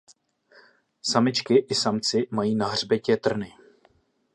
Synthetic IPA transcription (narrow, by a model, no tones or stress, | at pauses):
samɪt͡ʃkɪʔɪsamt͡sɪmajiːnaɦr̝bɛcɛt̪r̩nɪ